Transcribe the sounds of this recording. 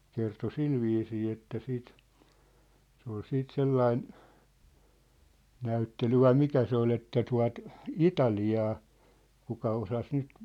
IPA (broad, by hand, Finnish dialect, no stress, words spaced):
kerto silʋiːsiː etːæ siːt se ol siːt selːɑin næytːely ʋɑi mikæ se ol etːæ tuɑ̝t itɑliɑː kukɑ osɑs nyt